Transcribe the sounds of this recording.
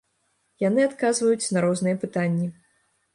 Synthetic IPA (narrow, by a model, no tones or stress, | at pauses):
janɨat̪kazvɐjut͡sʲnɐɾɔznɨjɛpɨt̪anʲːi